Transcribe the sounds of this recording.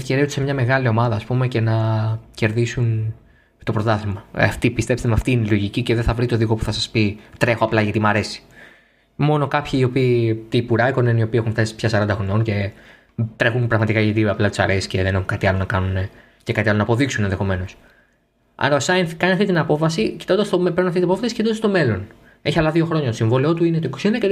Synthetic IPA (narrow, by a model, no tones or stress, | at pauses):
fceɾiot̪u̥semɲɐme̞ɣɐlio̞mɐðɐːspume̞ce̞nɐce̞ɾðisun | t̪o̞pɾo̞t̪ɐθimɐɐft̪ipist̪e̞pst̪emeɐft̪iːnelo̞ʝiciceðeθɐvɾit̪o̞ðiko̞pu̥θɐsɐspit̪ɾe̞xoɐplɐʝɐt̪imɐɾe̞si̥ | mo̞no̞kɐpçiːo̞piːt̪ipuɾɐiko̞nenio̞piːexunft̪ɐsi̥pçɐsɐɾɐnd̪ɐxono̞nce̞ | t̪ɾe̞xunpɾɐɣmɐt̪ikɐʝɐt̪iɐplɐt̪i̥sɐ̰ɾesi̥sce̞ðenexunkɐt̪iɐlo̞nɐkɐnune | cekɐt̪iɐlonɐːpo̞ðiksunenðe̞xo̞me̞no̞s | ɐ̰ɾɐosɐjnθkɐniɐft̪it̪inɐpo̞fɐsicit̪od̪ɐst̪omepeɾnɐft̪it̪nɐapofɐsi̥ceit̪od̪ɐst̪ome̞lo̞n | e̞çiɐplɐðio̞xɾo̞ɲɐt̪siɱvo̞lio̞t̪uinet̪oikosienðɐce